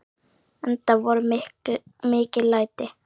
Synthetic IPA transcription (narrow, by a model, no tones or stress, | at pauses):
ɛnt̪avɔɾʏ | mɪːcɪlaːjt̪ɪ